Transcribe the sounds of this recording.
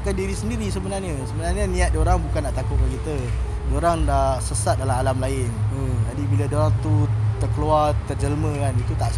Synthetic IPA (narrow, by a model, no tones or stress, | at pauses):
kandiɾisəndiɾis̬əbənarɲəsəbənarɲənĩat̪̚doɾaŋbukanːaʔt̪akʊt̪̚kakit̪ə | doɾaŋdaʔsəsat̪̚dalamalamlaɪnəd͡ʒadibiladoɾaŋt̪ut̪ərkəluart̪ərd͡ʒəlmə̃kanit̪ut̪aʔ